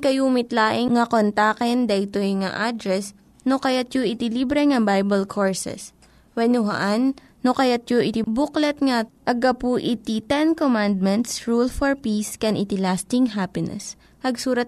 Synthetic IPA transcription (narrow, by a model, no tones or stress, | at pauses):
kɐjuːmɪt̪laːʔɪŋŋːɐkont̪aːkɛnd̪ɐʔɪt̪ojŋɐ̰ʔad̪ɾɛs | nokɐjat̪̚joʔɪt̪ɪlibɾɛŋɐbajbɐlkʰoɹsɛ̰s | wɛnʊɦɐ̰ʔanː | okɐjat̪̚joʔɪt̪ibuklɛt̪ŋɐʔɐɡɐpuʔɪt̪it̪ɛnkomand̪̚mɛnt̪sɹulfɔɹpiskɛnʔɪt̪ɪlast̪ɪŋɦapɪnɛ̰s | pɐɡsuːɾɐt̪̚